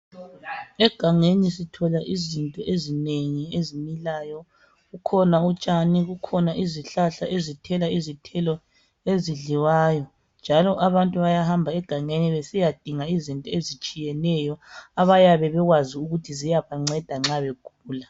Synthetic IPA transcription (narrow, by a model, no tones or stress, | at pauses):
ɛɡ̥ʱaŋenisitʰɔlaʔizintʼɔʔezineŋiezimilaːjɔ | ɣukʰɔnaut͡ʃʼaniɣukʰɔnaʔiziɬaɬaʔezitʰɛlaizitʰɛlɔ | eziɮiwaːjɔ | nd͡ʒʱalɔʔaβantʼuβajahambʱaɛɡ̥ʱaŋeniβesijad̥ʱiŋaizintʼɔezit͡ʃʼijɛnɛjɔaβajaβɛβɛɣwaziuɣutʰizijaβaŋ͡ǀɛd̥ʱaŋ͡ǁaβɛɡ̥ʱuːla